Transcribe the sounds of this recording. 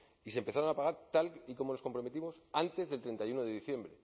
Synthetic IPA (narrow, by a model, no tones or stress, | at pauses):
ise̞mpe̞θaɾo̞napaɣ̞aɾt̪aliko̞mo̞no̞sko̞mpɾome̞t̪imo̞sant̪e̞zðe̞lt̪ɾe̞nt̪ajuno̞ðe̞ðiθjembɾe̞